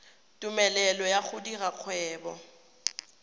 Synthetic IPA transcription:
tʼumɛlɛlɔjaχʊdiraq͡χʰwɛːbɔ

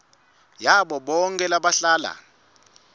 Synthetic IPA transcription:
jaɓɔɓɔŋkʼɛlaɓaɬaːla̰

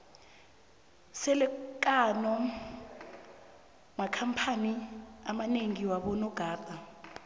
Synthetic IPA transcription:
sɛlɛk̬ʼanɔ | makʰampʰaniamaneŋiwaɓɔnɔɡ̥ʱaːtʼa

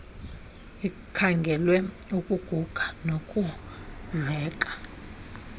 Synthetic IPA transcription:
i | kʰaŋɡʱɛlwɛukʼuɡ̥ʱuɡ̥ʱanokʼuɮɛːkʼḁ

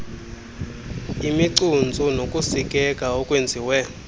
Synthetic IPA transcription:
imiǀund͡zʱʼunokʼusikʼɛkʼaɔkʼwend͡zʱiwɛ

